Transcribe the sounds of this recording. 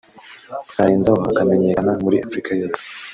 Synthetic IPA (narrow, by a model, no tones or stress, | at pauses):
kaɾiːnzawaa̰kame̞ɲe̞kanamuɾiʔafɾikajo̞ːse̥